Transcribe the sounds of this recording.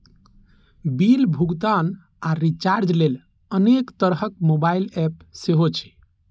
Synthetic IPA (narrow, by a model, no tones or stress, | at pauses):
bilbʱuɡt̪an | aɾit͡ʃaɾd͡ʒlel | ənekt̪əɾɦəkmobailɛpseɦot͡ʃʰɛ̥